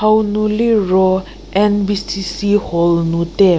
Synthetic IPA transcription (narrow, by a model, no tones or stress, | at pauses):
hawnuliɹɔ | ʔɛ̃nbisisihɔlnut̪ɛ